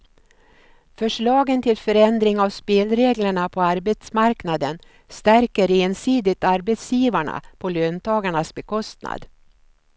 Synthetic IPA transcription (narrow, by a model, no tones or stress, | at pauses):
fœʂɭɑːɡənt̪ʰɪlfœɾɛnd̪ɾɪŋavspeːlɾeːɡləɳapʰɔaɾbɛt̪smaɾknad̪ən | st̪æɾkəɾeːnsiːd̪ɪt̪aɾbɛt̪sjiːvaɳa̰pʰɔløːnt̪ʰɑːɡaɳasbɛkʰɔst̪na̰d̪